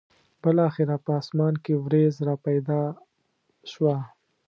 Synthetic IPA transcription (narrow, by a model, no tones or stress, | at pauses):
bɪlɑxɪɾapəɑːsmɑnkewɾezɾɑpajd̪ɑ | ʃwa